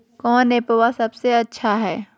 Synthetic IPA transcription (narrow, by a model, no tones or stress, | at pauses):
kɔːneːpowasɐbseɐtːʃʰaɦɛː